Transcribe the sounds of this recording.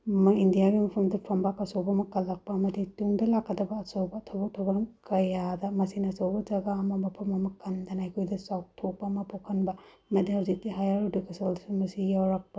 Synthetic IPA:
mɐindijaɡimɐpʰɐmdɐpʰɐmbakɐsobɐmɐkɐlɐk̚pɐːmɐdituŋdɐlakːɐdɐbɐːsowbɐtʰobɐk̚tʰobɐɾmkɐjadɐmɐsinɐsowbɐd͡ʒɐɡaːmɐmɐpʰɐmɐmɐkɐndɐnajkʰojdɐsaw̚tʰok̚pɐːmɐpokʰɐnbɐ | mɐdiawzik̚tiɦajaɾdukʰɐsɐlsumɐsijawɾɐk̚pɐ

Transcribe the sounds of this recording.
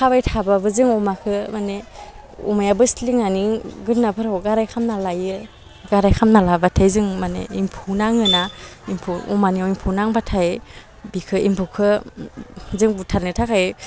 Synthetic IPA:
kʰabajtʰababɯzɯŋɔmakʰɯmane | ṵmajabɯsliŋaniɡɯnːapʰɯɾɔwɡaɾajkʰamnalajɯ | ɡaɾajkʰamnalabatʰajzɯŋmanḛimpʰunaŋɯnaimpʰuɔ̰maniaimpʰunaŋbatʰae | bikʰɯimpʰukʰɯ | zɯŋbutʰaɾnɯtʰakʰaj

